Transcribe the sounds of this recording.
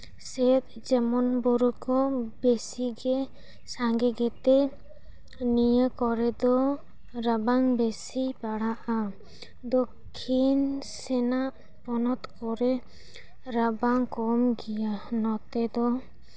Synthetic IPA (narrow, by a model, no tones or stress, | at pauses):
sɛt̪̚d͡ʒɛmɔnbɔɾukɔbesiɡɛ | saŋɡɛɡɛt̪ɛ | nijəkɔɾɛd̪ɔ | ɾabaŋbesibaɽaʔa | d̪ɔkʰːinsɛnaʔ | pɔnɔt̪kɔɾɛ | ɾabaŋkɔmɡijanɔt̪ɛd̪ɔ